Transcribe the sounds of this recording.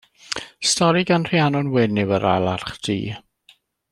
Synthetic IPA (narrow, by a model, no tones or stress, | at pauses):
stɔɾiɡanr̥ianɔnwɪnɪwəɾa̰lˠarχd̥ʰḭː